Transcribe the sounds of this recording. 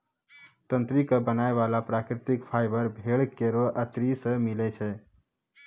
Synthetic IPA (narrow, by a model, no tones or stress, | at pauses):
t̪ə̃nt̪ɾikəbənaeʋalapɾakɾɪt̪ikpʰaɪbəɾbʱeɭkeɾoʔət̪ɾisə̃milɛt͡ʃʰɛ